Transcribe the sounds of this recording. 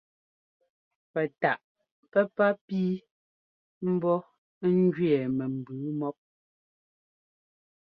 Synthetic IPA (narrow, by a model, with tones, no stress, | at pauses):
pɛ˨ta˨ʔ | pɛ˦pa˦piː˦ | m̩˦bɔ˦ | ŋ̩˦d͡ʒɥɛ˨mɛ˨m̩˨bʉː˨˦mɔ˦p̚